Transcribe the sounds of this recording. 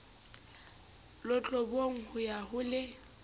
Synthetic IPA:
lʊt͡ɬʼɔboŋ̩hʊjahʊlɪ

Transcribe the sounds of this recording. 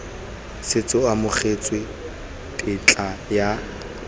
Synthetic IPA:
sɪt͡sʼʊamʊχʰet͡sʼwe | tʼɪt͡ɬʼaja

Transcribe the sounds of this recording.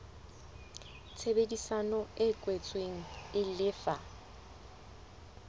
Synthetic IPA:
t͡sʰebedisanɔɪkʼwet͡sʼweŋ̩ɪlɪfa

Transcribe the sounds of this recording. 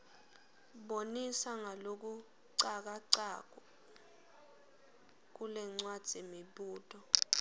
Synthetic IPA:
ɓonisaŋalok̬u | ǀak̬aǀak̬ɔ | k̬ulɛŋ͡ǀwad̥z̥ʱemiɓuːtʼɔ

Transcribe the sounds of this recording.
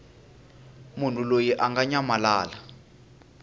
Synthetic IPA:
mun̤ulojiʔaŋɡaɲamalaːla

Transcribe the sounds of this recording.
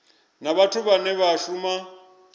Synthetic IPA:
naβatʰʊβanɛβaʃuma

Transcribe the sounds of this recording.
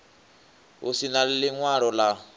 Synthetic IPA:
usinallɪŋwaɺɔla

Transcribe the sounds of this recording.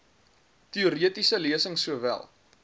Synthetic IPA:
tiuɾiətisəliəsəŋsuəvæ̰lˠ

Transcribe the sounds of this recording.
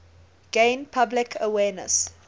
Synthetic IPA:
ɡ̥ẽɪnpʰablɪkʰəwɛːnə̰s

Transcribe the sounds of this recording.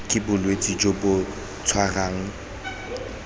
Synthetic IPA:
kʼɪbʊlwet͡sʼid͡ʒobʊ | t͡sʰwaraːŋ̩

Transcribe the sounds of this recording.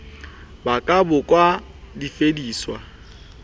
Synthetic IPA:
bakʼabʊkʼwa | difediːswa̰

